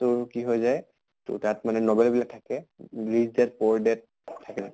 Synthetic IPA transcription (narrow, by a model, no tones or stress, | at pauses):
tʊɹkiɦɔjzaj | tʊ̰tatmanɛnɔbɛlbilak̚tʰakɛɹizdɛt̚pɔɹdɛt̚ | tʰːakɛa